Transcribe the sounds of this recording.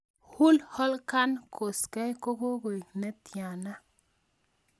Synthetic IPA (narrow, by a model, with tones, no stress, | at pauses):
hu˦lhɔ˦lka˦nkʰo˨skɛ˦jko˦ko˦ko˨i˨knɛ˦tja˨na˦